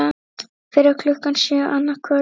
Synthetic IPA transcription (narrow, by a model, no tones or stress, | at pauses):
ḁt̪ | fɪɾaɾkʰlɔkːansjœːʔanːakʰvœː